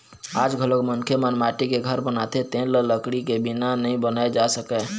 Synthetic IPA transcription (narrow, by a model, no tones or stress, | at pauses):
ad͡ʒɡʱəlokmənkʰemənmaʈikeɡʱəɾbənat̪et̪ẽlələkɽikebinanəɦĩbənaed͡ʒasəkɛ